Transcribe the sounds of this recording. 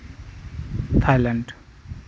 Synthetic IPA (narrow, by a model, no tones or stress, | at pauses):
t̪ʰajlaɳɖ